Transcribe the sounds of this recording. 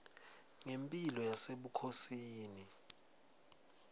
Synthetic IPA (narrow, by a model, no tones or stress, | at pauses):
ŋempʼilɔjaseɓukʰosiːni